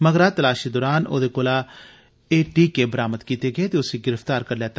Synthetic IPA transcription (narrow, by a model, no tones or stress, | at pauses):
məɡɾaːt̪əlaːʃid̪oːɾaːno̰ːd̪eːkoːlaː | eːʈiːkeːbəɾaːməd̪kiːt̪eɡəet̪eːʊseɡɪɾəft̪aːɾkəɾlɛːt̪